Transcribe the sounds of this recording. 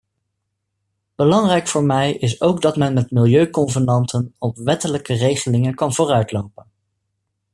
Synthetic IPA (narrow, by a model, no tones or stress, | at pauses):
b̥əlɑŋrɛjkfʊːɹmɛjɪs̬owɡdɑtmɛnmɛtmɪlˠjøɥkɔnvənɑntʰənɔpʋɛtələkərejχəlɪŋənkɑnvʊːrœɥtlowpən